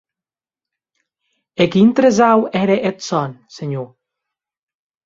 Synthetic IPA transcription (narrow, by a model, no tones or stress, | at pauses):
ekint̪ɾezawɛɾeʔet̪sɔnseɲo